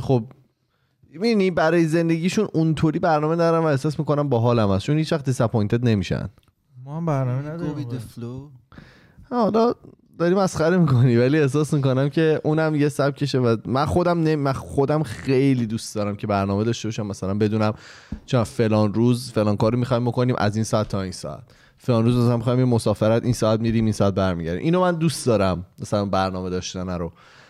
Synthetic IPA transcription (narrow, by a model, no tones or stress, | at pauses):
xob̚ | minibæɾɒːjeze̞nd̪e̞ɟiːʃununt̪ʰoɾiːbæɾnɒːme̞d̪ɒɾænvæehsɒːsmiːko̞næmbɒːɦɒːlæmæst͡ʃʰonhiːt͡ʃvæxt̪isæpʰojnt̪ed̪ne̞miːʃæ̰n̥ | mɔhæmbæɾnɔmed̪eflo | hɒlɒ | d̪ɒɾiːmæsχæɾemiːkʰonivæliehs̬ɒːsmiːko̞næmcʰe̞ʔuːnæmjesæb̚cʰe̞ʃevæmænxo̞d̪æmneimæxo̞d̪æmxejliːd̪uːst̪d̪ɒːɾæmcʰe̞bæɾnɒːmed̪ɒʃte̞bɒːʃæmːæsælæmbe̞d̪uːnæm | t͡ʃʰonæfe̞lɒːnɾuːzfe̞lɒːŋkɒːɾomixɒːhimbokoniːmʔæ̰zinsɒæt̪ʰːɒːinsɒ̰æ̰t̪ʰ | felɒːnɾuːzmæsælænmixɒːjimemosɒːfeɾæt̪ʰʔinsɒːæt̪miɾiːmiːnsɒːæt̪̚bæɾmiɟæɾd̪ḭmʔiːnomænd̪ust̪d̪ɒːɾæmmæsælænbæɾnɒːme̞d̪ɒːʃt̪ænæɾo